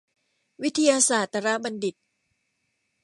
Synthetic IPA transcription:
wi˦˥t̪ʰa˧jaː˧saː˨˩t̪ːa˧ɾa˦˥ba˧ndi˨˩t̪̚

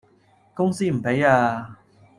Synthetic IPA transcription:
kʊ˥ŋsiː˥m̩˨˩pe˨˥jaː˧

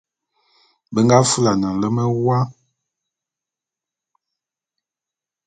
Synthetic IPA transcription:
bə˦ŋɡa˦fə˦la˨nə˨lə˦mə˦wa˦

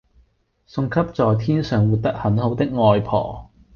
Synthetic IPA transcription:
sʊ˧ŋkʰɐ˥p̚t͡sɔː˨˩jt̪ʰiː˥nsœː˨˩ŋwuː˨t̪̚t̪ɐ˥k̚hɐ˨˥nho˨˧˥wt̪ɪ˥k̚ŋɔː˧jpʰɔ̰ː˨˩

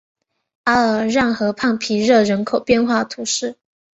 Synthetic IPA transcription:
a˥ə˨˩ɻa˥˩nxɤ˧˥pʰɑ˥˩ŋpʰi˧˥ɻɤ˥˩ɻə˧˥nkʰo˨˩ʊpjɛ˥˧nxwa˥˩t̪ʰu˧˥ʂɻ̩˥˩

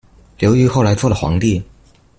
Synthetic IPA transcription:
ljo˧˥ʊy˧˥xo˥˩ʊla˧˥ɪt͡swɔ˥˩lə˩xwɑ̰˧˥ŋt̪i˥˩

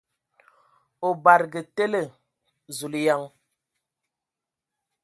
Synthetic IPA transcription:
o˨ba˨ɾɡə˨te˦le˦˨ | zu˨lja˦ŋ

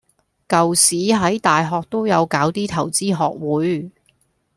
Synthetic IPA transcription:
kɐ˨wsiː˨˥ɦɐ˨˥jt̪aː˨jɦɔː˨k̚t̪o˥wjɐ˨˧wkaː˨˥wt̪iː˥t̪ʰɐ˨˩wt͡siː˥ɦɔː˨k̚wuː˨˥j

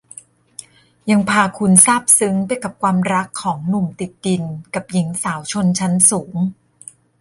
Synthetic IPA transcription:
ja˧ŋpʰaː˧kʰu˧nsaː˥˩p̚sɯ˦˥ŋpa˧jka˨˩p̚kʰwaː˧mɾa˦˥kʰːɔː˩˦ŋnu˨˩mt̪i˨˩t̪̚di˧nka˨˩p̚ji˩˦ŋsaː˩˦wt͡ɕʰo˧nt͡ɕʰa˦˥nsuː˩˦ŋ

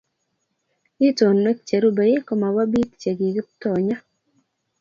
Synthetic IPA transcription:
i˦to˨nːe˦k̚t͡ʃe˨ɾu˦be˨je˦ko˨ma˨wa˦bi˦t̚t͡ʃe˨ɡi˨ɡɪ˦t̪ɔ˨ɲa˦

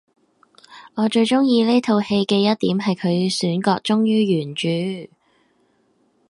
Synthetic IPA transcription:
ŋɔː˨˧t͡ʃɵ˧ɥt͡ʃʊ˥ŋjiː˧le˥jt̪ʰo˧whe˧jkɛː˧jɐ˥t̚t̪iː˨˥mɦɐ˨jkʰɵ˨˧ɥsyː˨˥nkɔː˧k̚t͡ʃʊ˥ŋjyː˥jyː˨˩nt͡ʃyː˨˧

